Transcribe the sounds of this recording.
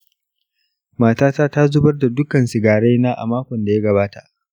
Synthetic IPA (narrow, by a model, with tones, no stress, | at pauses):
maː˨taː˦taː˦ta˦zʊ˦bɐ˦rda˨dʊ˦kɐ˨nsɪ˨ɡaː˨ɽe˦jnaː˦ʔa̰˨maː˦kʷɔ˨nda˨ja˦ɡɐ˨baː˦ta˨ʔ